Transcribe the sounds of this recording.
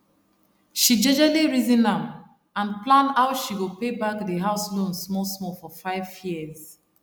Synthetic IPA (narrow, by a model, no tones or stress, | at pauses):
ʃid͡ʒɛd͡ʒaliɹizĩnãm | ãnplãnaʊʃiɡopebakdəɦaʊslõnsmɔlsmɔfɔfaɪvjiəz